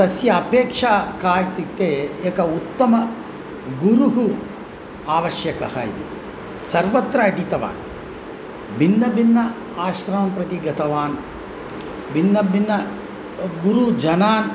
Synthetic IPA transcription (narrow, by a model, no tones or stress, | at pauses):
ɐsjɐːpeːkʂaːkaːjt̪it̪ːeːeːkɐut̪ːɐmɐ | ɡuɾuɦu | aːʋɐʃjɐkɐhɐ̰ḭd̪ḭ | sɐɾʋɐt̪ɾɐːʈit̪ɐʋa̰ːn | bʱinːɐbinːɐ | aːʃɾɐmɐmpɾɐt̪iɡɐt̪ɐʋaːn | bʱinːɐbinːɐ | ɡuɾud͡ʒɐnaːn